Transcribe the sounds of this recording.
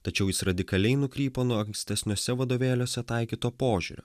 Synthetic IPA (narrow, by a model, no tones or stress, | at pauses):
t̪ɐt͡ʃʲɛʊjɪsɾɐd̪ʲɪkɐlʲɛɪnʊkɾʲiːpoːnuɔɐŋksʲt̪ʲɛsʲnʲoːsʲɛʋɐd̪oːʋʲeːlʲoːsʲɛt̪ɐɪkʲiːt̪oːpoːʒʲṵːɾʲo̰ː